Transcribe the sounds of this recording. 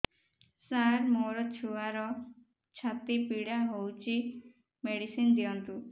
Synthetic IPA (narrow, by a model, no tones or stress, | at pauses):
saɾmoɾɔt͡ʃʰuaɾɔ | t͡ʃʰat̪ipiɽaɦowt͡ʃʰi | meɽisind̪iɔnt̪u